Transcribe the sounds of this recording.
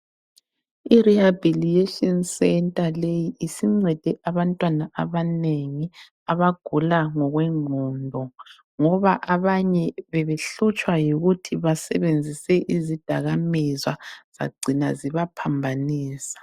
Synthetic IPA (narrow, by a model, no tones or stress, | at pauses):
irihabilietɔnsɛntʼalejiːsiŋ͡ǀɛd̥ʱɛʔaβantʼwanaʔaβaneŋi | aβaɡ̥ʱulaŋɔɣwɛŋʱɔːndʱɔ | ŋɔβaʔaβaɲɛβɛβeɬut͡ʃʼwajiɣutʰiβasɛβend͡zʱisɛʔizid̥ʱaɣamizwaz̥a̰ɡ͡ǀʱinaziβapʰambʱaniːsḁ